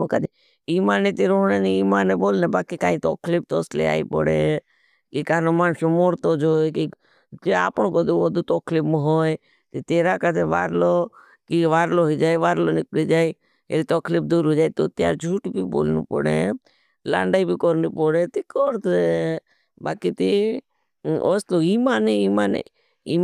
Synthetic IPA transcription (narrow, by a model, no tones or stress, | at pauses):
kəd̪e | iːmaːnet̪iɾoːɦɳeːniiːmaːneboːlnebaːkikãːĩt̪o̰ːkʰliːp̚t̪oːslḛa̰ːḭpɔ̰ɽḛ | kikaːnomaːnʃomoːɾt̪oːd͡ʒoːjki | d͡ʒea̰ːpəɳ̃kod̪uoːd̪ut̪oːkʰliːpmɦoːj | t̪it̪eːɾakəd̪eʋa̰ːɾlo | kiʋaːɾloɦɔd͡ʒaːjʋaːɾlonɪklid͡ʒaːi | ḛlit̪ɔkʰlipd̪uːɾɦoːd͡ʒaːit̪ot̪ja̰ːɾd͡ʒʱuːʈbiːbo̰ːlnṵpə̰ɽḛ | la̰ːɳɖaibikɔɾnipɔɽet̪ikɔɾt̪e | baːkit̪i | oːst̪oimaːneiːmaːnḛ | im